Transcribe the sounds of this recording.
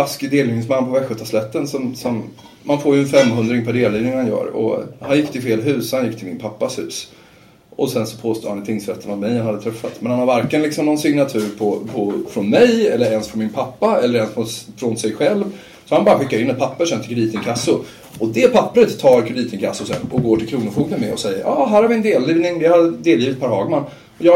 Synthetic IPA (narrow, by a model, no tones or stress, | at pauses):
askɪd̪eːlɪnɪŋsmanːpʰɔvæɧɵt̪ʰːaslɛt̪ːənsɔmsɔmː | anfoːɾjɵɛnfɛmːɦɵnd̪ɾɪŋpʰæɖeːlːiːvnɪŋhanjœ̰ːɾɔ̰hanjɪkːt̪ʰɪlfeːlɦʉ̟ːsɔhanjɪkːt̪ʰɪlmɪ̰npʰapːashʉ̟̰ːs | ʔɔsɛnsɔ̥pʰoːst̪ṵːd̪hanɪt̪ʰɪŋsɾɛt̪ʰːənavmɛjhanhad̪ət̪ʰɾɛfːat̪mɛnhanhaɾvæɾklənlɪksɔmnɔnsɪŋnat̪ʰʉ̟ːɾpʰɔpʰɔfɾɔnmɛjɛlːəɾɛnsfɾɔnmɪnpʰapːaɛlːəɾɛnsfɔfɾɔnsɛjɧɛlv | sɔhanbɑːɾaɧɪkːaɾɪnːɛt̪̚pʰapːəʂɔant̪ɪ̥kʰd̪iːt̪ənkʰasːʊ | ɔd̪ɛpʰapːɾət̪ʰːɑːɾkʰɵd̪iːt̪əŋkʰasːʊsɛ̰nɔɡoːʈʰɪlkʰɾuːnəfuːɡmənmɛɔ̰sɛjːə̰ɾʔɑːɦæːɾhaɾvɪɛnd̪eːlːiːvnɪŋd̪ɛhad̪eːljiːvɪt̪pʰaɾɦɑːɡman | ɔjɑː